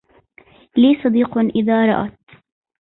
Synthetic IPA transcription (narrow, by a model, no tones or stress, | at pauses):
liːsˤɑd̪iːqʔɪðaːɾˤɑ̰ʔa̰t̪̚